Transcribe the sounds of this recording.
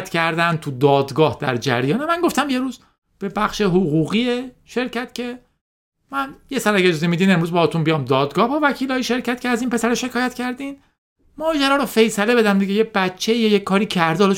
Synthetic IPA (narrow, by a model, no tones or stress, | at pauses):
t̪cʰæɾd̪æn̚t̪ʰud̪ɒːd̪ɡɒːhd̪æ̰ɾd͡ʒæ̰ɾjɒːnemæŋɡo̞ft̪æmje̞ɾuːz | b̥ebæχʃeɦoɣuːɣiːe | ʃe̞ɾcʰæt̪̚cʰe̞ | mænjesɒːlæɡed͡ʒɒːzemiːd̪iːne̞mɾuːzbɒːhɒt̪unbijɒːmd̪ɒːd̪ɡɒːhbɒvæcʰiːlɒːjiʃe̞ɾcʰæt̪cʰeæziːnpʰe̞sæɾeʃe̞kʰɒːjæt̪cʰæɾd̪iːn | mɒːd͡ʒæɾɒːɾɔfe̞jsæle̞be̞d̪ænd̪iɡejeb̥æt͡ʃʰːeijɒjekʰːɒːɾiːcʰæɾd̪ɒle